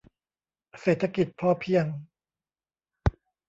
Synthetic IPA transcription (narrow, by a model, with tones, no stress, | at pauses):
seː˨˩t̪ʰa˧ki˨˩t̪̚pʰɔː˥˩pʰi˥˩əŋ